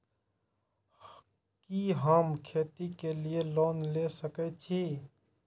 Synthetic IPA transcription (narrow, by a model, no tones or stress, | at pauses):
kiɦəmkʰeːt̪ikelieloːnlesəkɛt͡ʃʰiː